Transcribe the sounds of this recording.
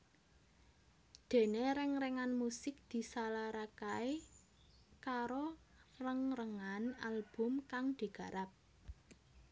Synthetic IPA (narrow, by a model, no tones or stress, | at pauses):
d̪̥e̤neɾɪŋrɛŋanmusɪk̚d̪̥i̤salaɾakai | kaɾo | rəŋrəŋanalb̥ʊ̤mkaŋd̪̥i̤ɡ̥a̤ɾap̚